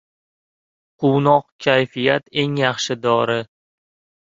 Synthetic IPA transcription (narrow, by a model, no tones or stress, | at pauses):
qʰʊwnɒqkʲʰajfijat̪e̞ŋjɑχʃɪd̪ɒɾɪ